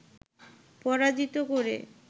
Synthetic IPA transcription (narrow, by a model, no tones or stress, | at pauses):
pɔɾad͡ʑit̪okoɾḛ